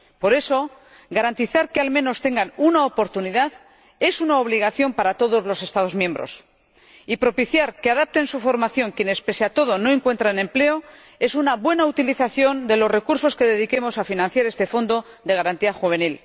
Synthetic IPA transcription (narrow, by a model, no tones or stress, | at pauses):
po̞ɾe̞so̞ | ɡaɾant̪iθaɾkealmẽ̞no̞st̪e̞ŋɡanunaopo̞ɾt̪uniðað | e̞sunaoβ̞liɣ̞aθjo̞mpaɾat̪o̞ðo̞zlo̞se̞st̪að̞o̞zmjẽ̞mbɾo̞̰s | ipɾo̞piθjaɾke̞aðap̚t̪e̞nsufo̞ɾmaθjo̞ŋkje̞ne̞spe̞seat̪o̞ð̞o̞no̞e̞ŋkwe̞nt̪ɾanẽ̞mple̞o̞ | e̞sunaβwe̞naut̪iliθaθjo̞nd̪e̞lo̞zre̞kuɾso̞ske̞ðe̞ðike̞mo̞safinãn̟θjaɾe̞st̪e̞fo̞nd̪o̞ | ðe̞ɣaɾant̪iaxuβ̞e̞nil